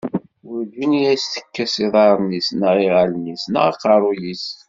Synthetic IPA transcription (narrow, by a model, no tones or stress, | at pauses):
wʊɾd͡ʒinijæsθə̥kːæsiðˤɑɾˤnisnaʁiʁalnisnə̰ʁqɑɾˤujis